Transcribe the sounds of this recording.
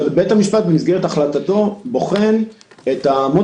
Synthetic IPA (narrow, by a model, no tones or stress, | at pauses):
bebetamiʃpat̪̚bemisɡeʁet̪aχlat̪at̪o̞bo̞χe̞n | et̪amo